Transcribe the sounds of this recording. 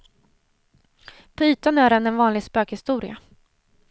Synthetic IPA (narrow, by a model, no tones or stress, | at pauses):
pʰɔyːt̪anœːɾɛnːɛnvɑːnlɪɡspøːkhɪst̪uːɾɪa